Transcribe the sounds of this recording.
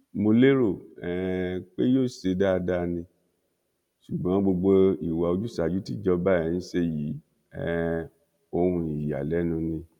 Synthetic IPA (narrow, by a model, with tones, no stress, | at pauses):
mo˧le˦ɾo˦˨ɛ˨k͡pe˦joː˦˨se˧da˦˨˧da˦˧nĩ˧ | ʃu˨ɡ͡bã˨˦ɡ͡bo˧ɡ͡bo˧i˨wa˨o˧d͡ʒu˦˨sa˨d͡ʒu˨˦ti˦d͡ʒɔ˧ba˦˨ɛ̃˨˦ñ̩˦ʃe˧ji˨˦ | ɛ˦˨ | o˧hũ˧i˨ja̰˨lɛ˨˦nũ˧nĩ˧